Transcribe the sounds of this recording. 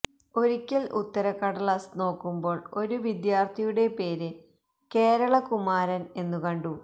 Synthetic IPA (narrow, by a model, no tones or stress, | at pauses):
o̞ɾikʲːilʔṵt̪ːɐɾɐkːɐɽɐɭɐsno̞ːkːumbo̞ːɭo̞ɾuʋid̪jaːrt̪ʰijuɽe̞pe̞ːɾɨ | ke̞ːɾɐɭɐkumaːɾɐne̞nːukɐɳɖu